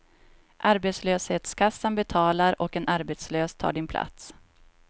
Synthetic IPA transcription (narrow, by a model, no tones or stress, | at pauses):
ʔaɾbɛt̪sløːsheːt̪skʰasːanbɛt̪ʰɑːlaɾɔkɛnʔaɾbet̪sløːst̪ʰɑ̰ːɖɪnpʰla̰t̪s